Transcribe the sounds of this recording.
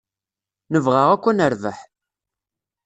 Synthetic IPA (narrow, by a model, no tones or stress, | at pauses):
nəvʁaʁækʷːænəɾvə̰ħ